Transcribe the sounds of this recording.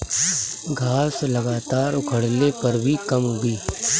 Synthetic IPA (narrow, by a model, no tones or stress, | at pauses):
ɡʱaːslɐɡaːt̪aːɾʊkʰəɽlepɐɾbʱikɐmɦʊɡiː